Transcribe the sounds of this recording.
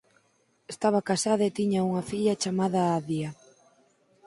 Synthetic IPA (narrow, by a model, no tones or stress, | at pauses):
est̪aβɐkasaðɐet̪iɲɐuŋɐfiʎɐt͡ʃamaðɐaðia